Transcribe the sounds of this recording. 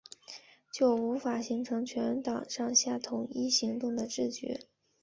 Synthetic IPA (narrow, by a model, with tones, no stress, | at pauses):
t͡ɕjo˥˩ʊu˧˥fa˨˩ɕi˧˥ŋʈ͡ʂʰɤ˧˥ŋt͡ɕʰɥɛ˧˥n˧n˥t̪ɑ˨˩ŋʂɑ˥˧ŋɕja˥˩t̪ʰʊ˧˥ŋi˥ɕi˧˥ŋt̪ʊ˥˩ŋd̪ə˩ʈ͡ʂɻ̩˥˩t͡ɕɥɛ̰˧˥